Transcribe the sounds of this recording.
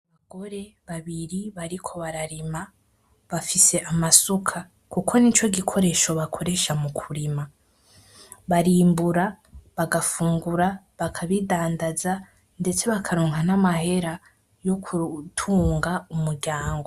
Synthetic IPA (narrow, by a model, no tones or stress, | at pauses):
aβaɡo̞ɾe̞ | βaβiɾiβaɾikʰo̞βaɾaɾima | βafise̞ʔamasukʰa | kukʰo̞nit͡ʃo̞ɡikʰo̞ɾe̞ʃoβakʰo̞ɾe̞ʃamukʰuɾima | βaɾiːmbuɾa | βaɡafuːŋɡuɾa | βakʰaβidaːndaza | nde̞t͡se̞βakʰaɾoːŋhanamahe̞ɾa | jo̞kʰutʰuːŋɡaumuɾɟaːŋɡo̞